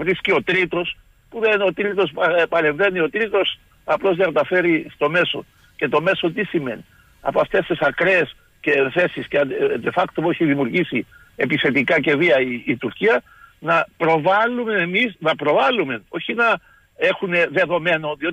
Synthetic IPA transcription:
vɾiscio̞t̪ɾit̪o̞s | puðeno̞t̪ɾit̪o̞spɐɾe̞ɱve̞nio̞t̪ɾit̪o̞s | ɐplo̞zðekɐt̪ɐfe̞ɾist̪o̞me̞so̞̰ | ce̞t̪o̞me̞so̞t̪isime̞̰ni | ɐ̰poɐft̪e̞st̪esɐkɾeːs | ce̞θe̞sisced̪efɐkt̪opoeçiðimjuɾʝisi | e̞piθe̞t̪ikɐce̞viɐiːt̪uɾciɐ | nɐpɾo̞vɐlːumeemisnɐpɾo̞vɐlːume̞o̞çinɐ | e̞xune̞ðe̞ðo̞me̞no̞ðio

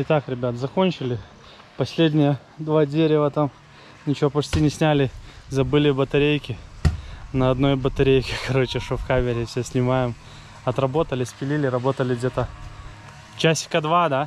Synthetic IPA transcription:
ɪt̪akɾʲɪbʲat̪zɐko̞nʲt͡ɕɪlʲɪ | pɐsʲlʲedʲnʲɪjə | d̪vadʲeɾʲɪvət̪am | nʲɪt͡ɕɪvopɐt͡ɕʲtʲinʲɪsʲnʲælʲɪzɐbɨlʲɪbət̪ɐɾʲejkʲɪ | nəɐd̪no̞jbət̪ɐɾʲejkʲɪkʰɐɾo̞t͡ɕɪʂofkamʲɪɾʲɪfsʲesʲnʲɪmajɪm | ɐt̪rɐbo̞t̪əlʲɪsʲpʲɪlʲilʲɪɾɐbo̞t̪əlʲɪɡdʲet̪ə | t͡ɕæsʲkɐd̪vad̪a

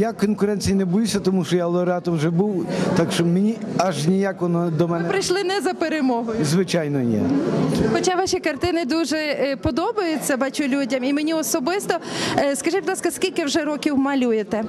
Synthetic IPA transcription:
jakɔnkʊɾɛnʲt͡sʲijinɛbɔjusʲɐt̪ɔmuʃt͡ʃɔjalˠɔɾat̪ɔwʒɛbuwt̪akʃt͡ʃɔmenʲi | ɐʒnʲijakʋɔnɔd̪ɔmɛnɛpɾɪjʃlˠɪnɛzɐpeɾemɔɦɔjʊzʋɪt͡ʃajnɔjɛ̰xɔt͡ʃaʋɑʃʲikɐrt̪ɪnɪd̪uʒɛpɔd̪ɔbɐjʊt͡sʲːɐbɑt͡ʃʊlʲudʲɐmimenʲiɔsɔbɪst̪ɔskɐʒɪt̚ʲd̪lˠɑskɐskʲilʲkɪwʒɛɾɔkʲiwmɐlʲujet̪ɛ

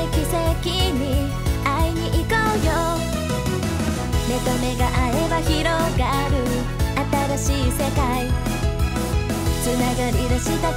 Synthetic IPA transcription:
ikisekiɲi | aiɲiʔikojo | met̪omeɡaʔaeβahiɾoɡa | ɾɯ | ʔat̪aɾaɕisekaj | sɨnaɡaɾiɾaɕit̪a

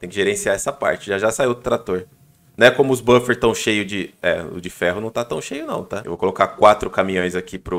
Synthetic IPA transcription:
t̪ẽj̃kɪʒeɾẽsiaɛsɐpa̰ɾt͡ʃɪʒaʒasaiwd̪ʊt̪ɾat̪oɾ | nɐ̃ɛkõmʊʊzbɐ̃feɾt̪ɐ̃w̃ʃejʊd͡ʒɪɛʊ̰d͡ʒɪfɛɦʊnɐ̃w̃t̪at̪ɐ̃w̃ʃejʊnɐ̰̃w̃t̪aḛwvokolokakwat̪ɾʊkamĩɲõj̃zakipɾʊ

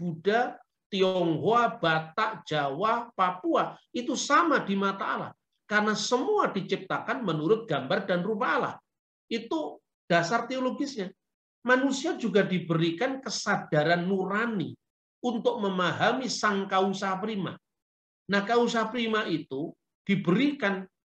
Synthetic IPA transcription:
b̥uda | t̪iɔŋɦoab̥at̪aʔd͡ʒ̥awapapuait̪usamadimat̪aːla̰h | karənasəmuadit͡ʃip̚t̪akanmənuɾʊt̪̚ɡ̥ambardanrupaːla̰h | it̪u | d̥asart̪eoloɡisɲa | manusiad͡ʒuɡadibəɾikankəsad̥aɾanːuɾanḭ | unt̪ʊk̚məmaɦamisaŋkausapɾima̰ | nahkaus̬apɾimaʔit̪u | d̥ibəɾikan

